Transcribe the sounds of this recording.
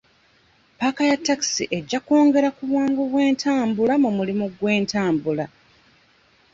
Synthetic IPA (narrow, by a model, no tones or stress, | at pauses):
pakajatːaki̥siʔe̞ɟːako̞ːŋɡe̞ɾakuβwaːŋɡoβwe̞ːntʰaːmbulamumulimuɡwe̞ːntaːmbula